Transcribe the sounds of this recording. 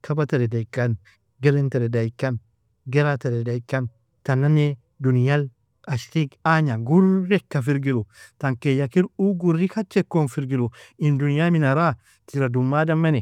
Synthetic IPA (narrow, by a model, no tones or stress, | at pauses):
kʰɐbɐt̪ɐɾɛd̪ɐɪkːɐn | ɡɛɾɛnt̪ɐɾɛd̪ɐjɪkːɐn | ɡɛɾat̪ɐɾɛd̪ɐjkːɐn | t̪ɐnːɐne | d̪ʊnjal | ɐʃt̪ikaːɲaɡʊɾːɛkːɐfɪɾɡɪlʊt̪ɐŋkejːɐkɪɾuːɡʊrːikɐt͡ʃːɛkːonfɪɾɡɪlʊɪnd̪ʊnɪjaːmɪnɐɾaː | t̪ʰɪɾɐd̪ʊmːaːd̪ɐmːɐnɛ